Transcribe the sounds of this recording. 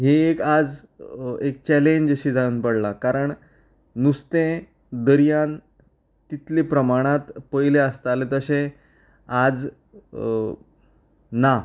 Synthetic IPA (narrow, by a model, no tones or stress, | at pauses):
ɦeekad͡z | ek̚t͡ɕɛleɲd͡ʑəɕiːd͡zauːnpəɽlakaɾəɳ | nust̪ẽ | d̪əɾjan | t̪it̪lepɾəmaɽ̃at̪pəjleəst̪alet̪əsẽ | ad͡z | na